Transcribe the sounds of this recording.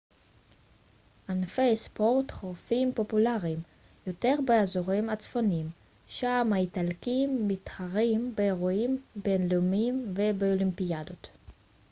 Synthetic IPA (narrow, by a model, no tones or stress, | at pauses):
ʔanfejspo̞ʁt̪χoʁfimpo̞pulaʁim | jo̞te̞ʁbeazoʁimat͡sfonim | ʃamaitalkimːitχaʁimbeːʁoimbenlumimvebeolimpiad̪ot̪